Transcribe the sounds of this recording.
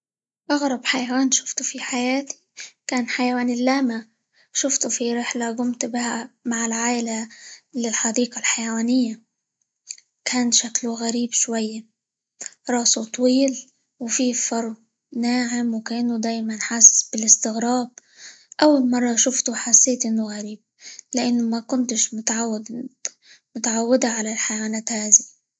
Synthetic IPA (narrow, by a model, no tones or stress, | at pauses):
ʔɑɣɾˤɑbħajawaːnʃʊ̥ft̪ʊ̥fiħajaːt̪i̥kaːnħajawaːnɪlːaːma | ʃʊft̪ʊfiɾɪħlaɡʊmt̪bɪhamaʕɪlʕaːʔɪlalɪlħɑd̪iːqalħajawaːnɪjːa | kʰaːnʃakluɣaɾiːbʃwajːa | ɾˤɑːsut̪ˤwiːl | wfifɑɾˤ | naːʕɪmwkaʔɪnːʊd̪aːjmanħasb̥ɪlɪst̪ɪɣɾaːb̚ | ʔawːalmɑrˤːɑʃʊft̪uħasːeːt̪ʔɪnːʊɣaɾiːb̚lɪʔanːʊmakʊnt̪ɪʃmʊt̪ʕaw̪ː | mʊt̪ʕawːɪd̪aʕalalħajwaːnaːt̪haːði